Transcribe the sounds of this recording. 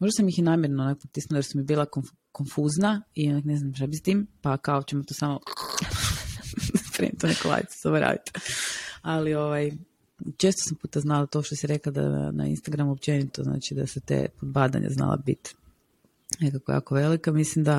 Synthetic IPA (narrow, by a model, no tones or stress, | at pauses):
mo̞ʒd̪asamjixjenaːmjeɾnoonakpot̪isnulojɾsumibiːlˠako | konfuznaionakne̞znamʃt̪abist̪iːmpakaot͡ɕemot̪oːsamo | apɾḛnit̪onekolˠa̰ːjit̪se̥somoɾa̰ːd̪it̪ | alio̞ʋaj | t͡ʃeːst̪osampuːt̪aznalat̪o̞ʃt̪osiɾe̞klad̪a̰a̰na̰ḭnst̪aɡɾamuop̚t͡ʃe̞nit̪ozna̰ːt͡ʃid̪a̰set̪ḛːpod̪̚bad̪a̰ɲa̰zna̰lˠa̰bḭt̪ | nekakoja̰ːkoʋe̞likamislimd̪a